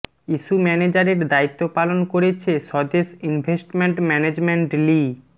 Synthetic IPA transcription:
iʃumɛned͡ʑaɾeɾd̪ait̪ːopalonkoɾet͡ɕʰeʃɔd̪esinbʱesʈmeɳʈmɛned͡ʑmeɳʈli

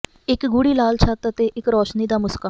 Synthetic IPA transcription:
ɪkɡʊɽiːlaːlt͡ʃʰaːt̪ət̪eːʔɪkɾɔːʃniːd̪aːmʊskaː

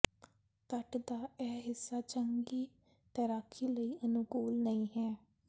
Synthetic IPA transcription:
k̪əʈd̪aːɛːɦɪsːaːt͡ʃəŋɡiː | t̪əɾaːkʰiːləiːʔənʊkoːlnəĩːɦɛː

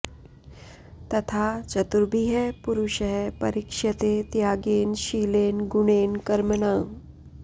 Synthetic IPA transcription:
t̪ɐt̪ʰat͡ɕət̪uɾbʱiɦɛpuɾuɕɦɛpəɾikʂɐt̪et̪jaɡenɕilenɡuɽ̃enkəɾməna

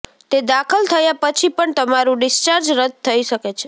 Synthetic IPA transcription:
t̪ed̪akʰəlt̪ʰəjapət͡ʃʰipəɳt̪əmaɾũɖɪst͡ʃaɾd͡ʒɾəd̪̚t̪ʰːəiʃəket͡ʃʰe̥

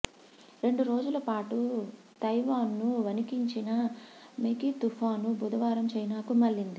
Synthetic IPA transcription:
ɾe̞ɳɖuɾo̞ːd͡ʒulɐpaːʈu | t̪ɐjʋaːnːuʋɐnikiɲt͡ʃinɐmekit̪ufaːnubud̪ɐʋaːɾɐmt͡ʃɐjnaːkumɐlːind̪i

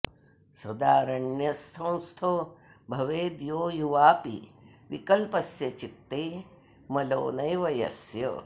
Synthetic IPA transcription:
sɐd̪aːɾɐɳjɐst̪ʰɐ̃w̃st̪ʰobʱɐʋeːd̪joːjuʋaːpḭʋikɐlpɐsjɐt͡ʃit̪ːeː | mɐlo̰ːnɐjʋɐjɐ̰sjɐ̰

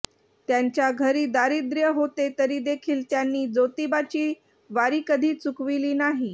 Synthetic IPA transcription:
t̪jaɲt͡ɕjaɡʱəɾiːd̪aɾid̪ɾjəɦot̪et̪əɾiːd̪ekʰiːlt̪janːiːd͡zot̪ibat͡ɕiː | ʋaɾiːkəd̪ʱiːt͡sukʋiliːnaɦi

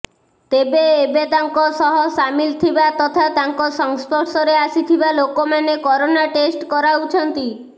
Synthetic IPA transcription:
t̪ebeːbet̪aŋkɔsɔɦɔsamilt̪ʰibat̪ɔt̪ʰat̪aŋkɔsɔŋspɔʈsɔɾeasit̪ʰibalokomanekɔɾonaʈesʈkɔɾaut͡ʃʰɔnt̪i

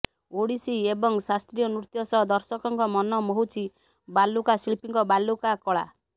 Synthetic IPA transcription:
oɽisiebɔŋsast̪ɾijɔnɾut̪jɔsɔd̪ɔɾsɔkɔŋkɔmɔnɔmɔɦut͡ʃʰi | balukasilipiŋkɔbalːukakɔɭa̰

